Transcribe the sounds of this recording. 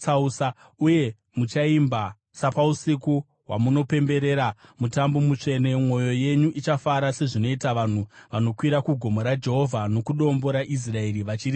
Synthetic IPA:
t͡sausa | uje̞ | mut͡ʃaimba | sapausiku | wamuno̞pe̞mbe̞ɾe̞ːɾamutambo̞mut͡ʂe̞nemŋo̞jo̞je̞ɲuʔit͡ʃafaɾase̞ʐino̞itaʋan̤uʋano̞kwiɾakuɡʱo̞moɾad͡ʒe̞ɦo̞vʱano̞kuɗo̞mbo̞ɾaʔis̬rae̞ɾiʋat͡ʃiri

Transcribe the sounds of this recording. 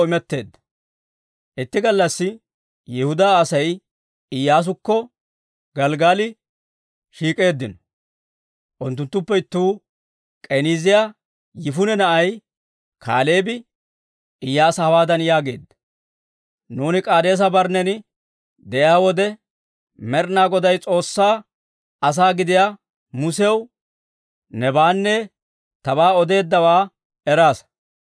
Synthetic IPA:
ɪmɛt̪ːe̞ːd̪ːɐ̥ | ʔɪt̪ːɪɡɐlːɐsːɪ | jɛhʊd̪aːsɐj | ɪjːaːs̬ʊkːɔ | ɡɐlɡaːlɪ | ʃiːkʼe̞ːd̪ːɪnɔ̥ | ʔʊnt̪ːʊnt̪ːʊpːɛɪt̪ːuː | kʼɛniːzɪjaː | jɪfʊnɛnɐʔɐj | kʰa̰ːleːbɪ | ʔɪjːaːsɐwaːd̪ɐnjaːɡe̞ːd̪ːɐ | nuːnɪkʼaːd̪e̞ːs̬ɐbɐɾnɛnɪ | d̪ɛʔjaːwɔd̪ɛ | mɛɾnaːɡɔd̪ɐjt͡sʼo̞ːsːaː | ɐs̬aːɡɪd̪ɪja | mʊsɛw | nɛbaːnːɛ | t̪ɐbaːɔd̪e̞ːd̪ːɐwaː | ɛɾaːs

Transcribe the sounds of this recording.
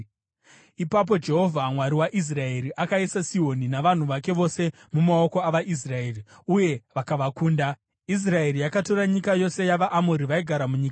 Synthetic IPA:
ipap̬o̞d͡ʒe̞ɦo̞vʱamwaɾiwaʔis̬rae̞ɾiʔakaisasio̞ninaʋan̤uʋake̞ʋo̞se̞ | mumao̞ko̞aʋaʔis̬rae̞ːri | uje̞ʋakaʋakuːnda | is̬rae̞rijakato̞ɾaɲikajo̞se̞jaʋaʔamoɾiʋaiɡʱaɾamuɲiːka

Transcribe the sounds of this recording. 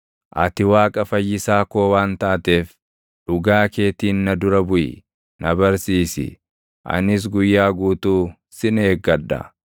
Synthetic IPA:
ʔɐt̪ɪwaːkʼɐfɐjːɪsaːko̞ːwaːnt̪aːt̪e̞ːf | ᶑʊɡaːke̞ːt̪iːnːɐd̪ʊɾɐbʊʔɪ̰ | nɐbɐɾsiːsɪ̰ | ʔɐ̰nɪs̬ɡʊjːaːɡuːt̪uː | sɪneːɡːɐᶑːɐ̰

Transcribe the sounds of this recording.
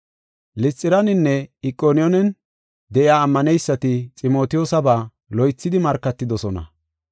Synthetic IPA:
lɪt͡sʼːɪɾɐnɪnːɛɪkʼːoːnɪjɔnɛn | d̪ɛʔjaːmːɐnɛjsːɐt̪ɪt͡sʼɪmo̞ːt̪ɪjoːsɐbaː | lɔjt͡sːɪd̪ɪmɐɾkːɐt̪ːɪd̪ɔsɔnɐ̰

